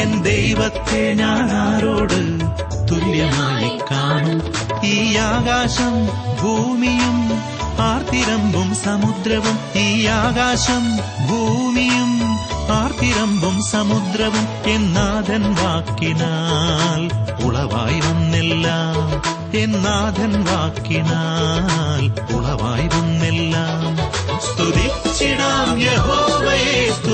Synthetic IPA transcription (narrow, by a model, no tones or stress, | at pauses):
end̪ejʋɐt̪ːeɲaːnaːɾoːɽɨ | t̪uljɐnaːjikːaːɳu | iːaːɣaːʂɐmbʱuːmijum | aːɾt̪ʰiɾɐmbʱumsɐmud̪ɾɐʋumiːjaːɣaːʂɐm | bʱuːmijumaːɾt̪ʰiɾɐmbʱumsɐmud̪ɾɐʋum | enːaːd̪ʱɐnʋaːkːinalṵɭɐʋa̰ːjʋunːɛlːaːm | enːaːd̪ʱɐnʋaːkːinaːl | ṵɭɐʋa̰ːjʋunːɛlːaːmst̪ud̪it͡ʃːiɽaːmjeɦoːʋɐjeːst̪